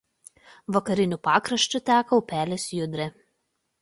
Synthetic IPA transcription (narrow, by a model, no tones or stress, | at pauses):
ʋɐkɐɾʲɪnʲuˑpɑːkɾɐʃt͡ʃʲʊt̪ʲæːkɐʊpʲæːlʲeːsjʊd̪ʲɾʲɛ